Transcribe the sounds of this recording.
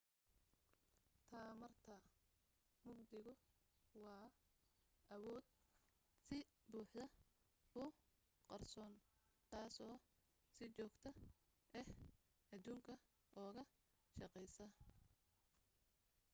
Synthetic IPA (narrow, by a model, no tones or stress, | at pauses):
t̪ʰaːmɐrt̪ʰɐ | mʊɡd̪ɪɣʊ | wɑː | ʔɐwɔːd̪̚ | sɪbuːħd̪ɐ | ʊ | qɑrsɔːnt̪ʰaːsɔː | sɪt͡ʃɔːɡt̪ʰɐ | ʔɛh | ɐd̪uːŋkʰɐ | ʔɔːɣɐ | ʃɑqɛjsɐ